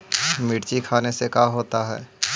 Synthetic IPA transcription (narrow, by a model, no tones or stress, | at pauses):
mɪːɽt͡ʃikʰaːnesekaːɦoːt̪aɦɛː